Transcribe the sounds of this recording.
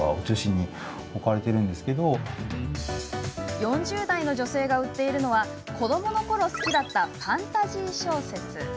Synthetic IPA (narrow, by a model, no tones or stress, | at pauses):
a̰ot͡ɕoɕiɲ̟ːi | okaɾe̞t̪e̞ɾɯ̟̃nd̪e̞sɨ̥ke̞d̪o | jõ̞ɲ̟d͡ʑɨːd̪aino̞ʑo̞se̞ːɡaɯ̟t̪ːe̞iɾɯ̟no̞β̞a | ko̞d̪o̞mo̞no̞ko̞ɾo̞sɨ̥kʲid̪at̪ːaɸãnt̪aʑiːɕo̞ːse̞t͡sɨ